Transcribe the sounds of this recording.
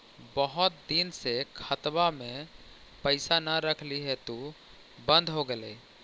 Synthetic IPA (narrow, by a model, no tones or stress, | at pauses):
bəɦʊt̪̚d̪insekʰət̪bamẽ | pəɪsanəɾəkʰliɦɛt̪u | bə̃nd̪ʱɦoɡelḛ